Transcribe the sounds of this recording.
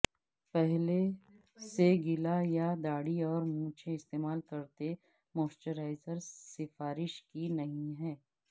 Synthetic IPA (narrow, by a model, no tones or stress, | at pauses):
pɛɦle | seɡɪlajad̪aːɽiɔːɾmũːt͡ʃʰẽɪst̪eːmaːlkɐɾt̪e | moːsʈəɾaːɪzəɾsɪfaːɾɪʃkinɐɦĩɦɛː